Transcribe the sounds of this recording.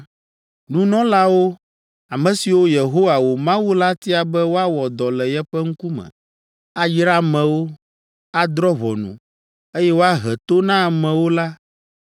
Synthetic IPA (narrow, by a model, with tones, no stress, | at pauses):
nũ˦nɔ̃˦la˦wo˦ | a˨mɛ̃˨si˨wo˦je˨ɦo˦wa˨wo˨mã˦wu˦la˦t̪i˦a˨bɛ˦wo˦a˦wɔ˨d̪ɔ˨lɛ˨jɛ˦ɸɛ˦ŋ̩˦ku˦mɛ̰̃˨ | a˦d͡ʒɾa˦mɛ̃˨wo˦ | a˦d̪ɾɔ˦βɔ̰˨nṵ̃˨ | e˦jɛ˦wo˦a˦ɦɛ˨t̪o˦nã˦˨mɛ̃˨wo˦la˦